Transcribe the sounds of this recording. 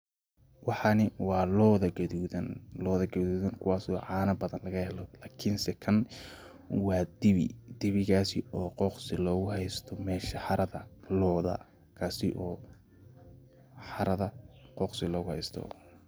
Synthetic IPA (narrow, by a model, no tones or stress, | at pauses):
wɑħɑnɪwɑːlɔːðɐɡɐðuːðɐnlɔːðɐɡɐðuːðɐŋkʰʊwɑːsɔʕɑːnɐbɐðɐnlɐɣɐhɛlɔlaːkʰɪnsɛkʰɐn | wɑːd̪ɪβɪ̰d̪̥ɪβɪɣaːsɪʔɔːqɔqsɪlɔːɣʊɦɛjst̪ʰɔmɛːʃɐħɑɾɐðɐlɔːðɐ̰ | kʰaːsɪʔɔː | ħɑɾɐðɐqɔːqsɪlɔːɣʊhɛ̰jst̪ʰɔ̰